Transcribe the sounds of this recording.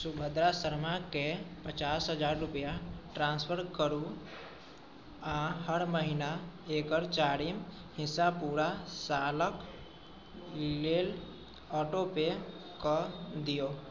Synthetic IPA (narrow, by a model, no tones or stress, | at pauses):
sʊbʱəd̪ɾasəɾmakepət͡ʃaːsɦəd͡ʒaːɾɾʊpjaʈɾãːnspʰəɾkəɾu | aɦəɾməɦɪnaeːkəɾt͡ʃaːɾim | hɪsapuːɾasaːlək | leːl | ɔːʈope | kod̪ijoː